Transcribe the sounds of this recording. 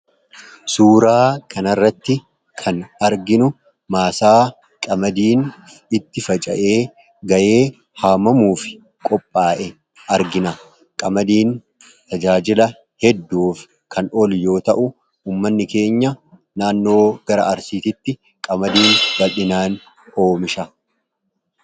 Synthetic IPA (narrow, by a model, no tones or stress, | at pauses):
suːɾaːkʰɐnɐrːɐt̪ːɪ | kʰɐnɐɾɡɪnʊ | maːsaː | kʼɐmɐd̪iːn | ɪt̪ːɪfɐt͡ʃʼɐ̰ʔe̞ː | ɡɐje̞ː | haːmɐmuːfɪ̥ | kʼɔpʼːaːʔɛ | ɐɾɡɪnɐ | kʼɐmɐd̪iːn | t̪ɐd͡ʒaːd͡ʒɪlɐ | hɛd̪ːuːfɪ̥ | kʰɐnɔljo̞ːt̪ɐʔʊ | uːmːɐnːɪke̞ːɲːɐ | naːnːo̞ːɡ̥ɐɾɐʔɐɾsiːt̪ɪt̪ːɪ | kʼɐmɐd̪iːnbɐlʔɪnaːn | ʔoːmɪʃɐ